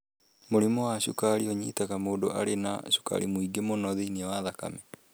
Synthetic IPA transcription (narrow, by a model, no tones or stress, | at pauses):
moɾimɔwaɕukaɾiɔɲitaɣamoːdoʔa̰ɾena̰ɕu̥ka̰ɾimoiɡemonɔðeinawaðaka̰mɛ